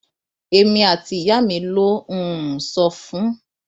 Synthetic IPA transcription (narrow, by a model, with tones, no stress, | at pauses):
e˧mĩ˧a˨ti˧˨ja˦mĩ˧lo˦ũ˦˨sɔ˧fũ˦